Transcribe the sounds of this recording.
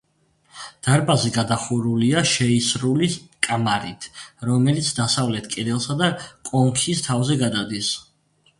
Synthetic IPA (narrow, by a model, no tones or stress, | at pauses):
d̪̥aɾpʼazɛɡad̪aχuɾuliaʃɛisɾulikʼamaɾḭt̪ʰɾɔmɛlit̪sʰd̪asavlɛt̪ʰkʼɛd̪ɛlˠsad̪akʼɔŋkʰist̪ʰavzɛɡad̪ad̪is